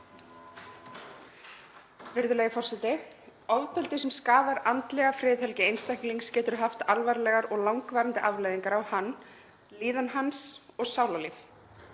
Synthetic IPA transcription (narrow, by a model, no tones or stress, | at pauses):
vɪɾðʏleɣɪfɔr̥sɛt̪ɪ | ɔvp̪ʰɛlt̪ɪsɛmskaːvaɾant̪lɛɣafɾɪːðhɛlcɪejnst̪ajhkliŋkscɛːt̪ʏɾɦaft̪alvaɾlɛɣaɾɔɣlawŋkvaːɾant̪ɪʔavlajðiŋkaɾawhanː | liːðanɦansɔɣsaːwlalif